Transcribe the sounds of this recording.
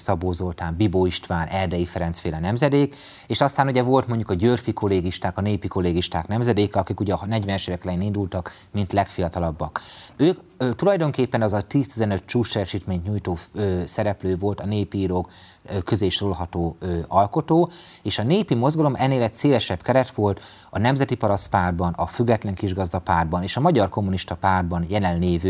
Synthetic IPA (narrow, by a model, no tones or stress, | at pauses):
sɒboːzo̞lt̪aːmbiboiʃt̪ʋaːnɛrd̪ɛjifɛɾɛnt̪sfeːlɒnɛmzɛd̪eːk | eːʃɒst̪aːnuɟɛvo̞lt̪mo̞ɲɟukɒɟørfiko̞lːeːɡiʃt̪aːkɒneːpiko̞lːeːɡiʃt̪aːknɛmzɛd̪eːkɛɒkikuɟɛnɛɟʋɛnɛʃeːvɛkɛlɛjeːnind̪ult̪ɒk | mint̪lɛkfijɒt̪ɒlɒbːɒkøːk | t̪ulɒjd̪o̞ŋkeːpːɛnɒzɒt̪iːst̪izɛnø̞t̪̚t͡ʃuːʃt͡ʃɛɾɛʃiːt̪meːɲt̪ɲuːjt̪oːøsɛɾɛpløːvo̞lt̪ɒneːpiːɾoːk | kːøzeːʃrolɦɒt̪oːɒlko̞t̪oː | eːʃɒneːpimo̞zɡɒlo̞mʔɛnːeːlɛcseːlɛʃɛbkɛɾɛt̪ʋo̞lt̪ | ɒnɛmzɛt̪ipɒɾɒst̪paːrd̪̚bɒnɒfyɡːɛt̪lɛŋkiʒɡɒzd̪ɒpaːrbɒneːʃɒmɒɟɒrko̞mːuniʃt̪ɒpaːrd̪bɒnjɛlɛnleːvy